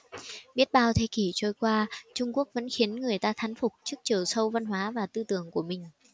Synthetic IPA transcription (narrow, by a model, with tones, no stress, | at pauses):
ɓi˦˥ət̚ɓaː˧wt̪ʰe˧ki˧˩t͡ɕo˧˩jkwaː˧t͡ɕʊ˧ŋ͡mku˦˥ək̚və̰˧˥nxi˨˦ənŋɨ˨˩əjt̪aː˧t̪ʰa˨˦ŋfʊ˨˩k͡p̚t͡ɕɨ˦˥ək̚t͡ɕi˨˩əwsə˧wva˧nɦwaː˨˦vaː˨˩t̪ɨ˧t̪ɨ˧˩əŋku˧˩əmï˨˩ŋ̟